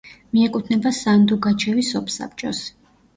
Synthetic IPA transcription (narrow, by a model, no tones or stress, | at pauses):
miɛkʼut̪ʰnɛbasand̪uɡat͡ʃʰɛvisɔpʰsa̰p̚ʰt͡ʃʼɔs